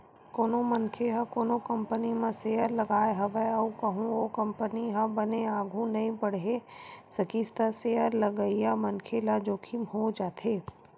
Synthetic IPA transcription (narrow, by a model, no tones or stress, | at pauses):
koːnomɐnkʰeɦɐ̃koːnokɐ̃mpənimẽseːɦəɾlɐɡaːeɦɐʋɛɐukɐɦũokɐ̃mpəniɦɐ̃bɐneaːɡʱũnɐɦĩpɐɽ̤ɦesɐkist̪aseəɾlɐɡəijamɐnkʰelad͡ʒoːkʰimɦod͡ʒaːt̪ʰeː